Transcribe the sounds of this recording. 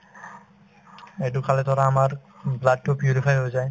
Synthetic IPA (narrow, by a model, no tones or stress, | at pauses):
ɛdukalɛtɔɹaːmaɹ | blad̚tupjuɹipʰajɦojzaj